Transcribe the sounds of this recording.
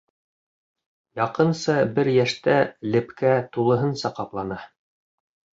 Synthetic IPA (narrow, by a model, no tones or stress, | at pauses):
jɑqɤ̆nsɤbɘɾjæʃt̪ælɘ̆pkæt̪ulˠɤ̆ɦɤnsɑqɑplˠɑnɑ